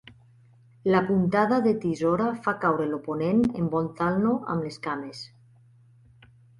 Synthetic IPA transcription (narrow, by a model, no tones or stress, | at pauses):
lapunt̪aðaðet̪izɔɾafakawɾeloponenembɔnt̪alnoʔa̰mleskames